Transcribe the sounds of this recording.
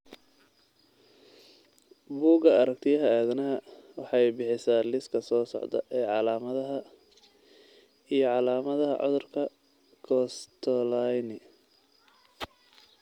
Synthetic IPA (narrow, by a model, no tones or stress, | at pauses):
buːɡɐɐɾɐk̚t̪ʰɪjɐɦɐaːðɐnɐɦɐwɑħɑjbɪħɪsaːlɪskʰɐsɔːsɔ̰ʕd̪ɐ̰ʔɛːʕɑlaːmɐðɐɦɐ | ijɞʕɑlaːmɐðɐɦɐ̰ʕɔ̰ðʊrkʰɐ | kʰɔst̪ʰɔlajnɪ